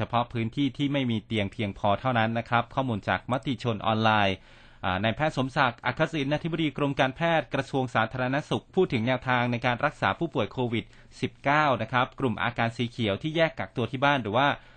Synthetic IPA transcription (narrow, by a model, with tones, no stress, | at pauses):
t͡ɕʰa˧pʰɔ˦˥pʰɯː˦˥nt̪ʰiː˥˩t̪ʰiː˥˩ma˥˩jmiː˧t̪i˧əŋpʰi˧əŋpʰɔː˧t̪ʰa˥˩wna˦˥nːa˦˥kʰɾa˦˥p̚kʰɔː˥˩muː˧nt͡ɕa̰ː˨˩k̚ma˦˥t̪i˧t͡ɕʰo˧nʔɔ̰ː˧nlaː˧j | ʔaː˨˩na˧jpʰɛː˥˩t̪̚so˩˦msa˨˩k̚ʔa˨˩kʰːa˦˥si˨˩nʔa˧t̪ʰi˥bdiː˧kɾo˧mkaː˧npʰɛː˥˩t̪̚kɾa˧su˧əŋsaː˩˦t̪ʰaː˧ɾa˧na˦˥su˨˩k̚pʰuː˥˩t̪ʰːɯ˩˦ŋnɛː˧wt̪ʰaː˧ŋna˧jkaː˧nɾa˦˥k̚saː˩˦pʰuː˥˩pu˨˩əjkʰoː˧wi˨˩t̪̚ | si˨˩p̚kaː˥˩wna˦˥kʰɾa˦˥p̚kɾu˨˩mʔa̰ː˧kaː˧nsiː˩˦kʰi˩˦əwt̪ʰiː˥˩jɛː˥˩kːaː˨˩k̚t̪u˧ət̪ʰiː˥˩baː˥˩nrɯː˩˦waː˥˩